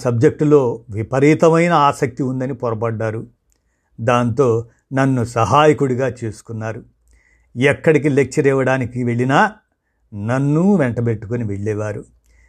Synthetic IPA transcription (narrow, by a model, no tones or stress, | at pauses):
sɐb̚d͡ʒek̚ʈulo̞ːʋipɐɾiːt̪ɐmɐjnɐaːsɐk̚t̪iund̪ɐnipɔɾɐpɐɖːaːɾu | d̪aːnt̪o̞ː | nɐnːusɐɦaːjikuɽuɡaːt͡ʃeːsu̥kunːaːɾu | ɛkːɐɽik̬ile̞k̚t͡ʃɐɾɛʋɐɽaːnikiʋe̞ɭinaː | nɐnːuʋɛɳʈɐbe̞ʈːu̥koniʋeɭːɛːʋaːɾu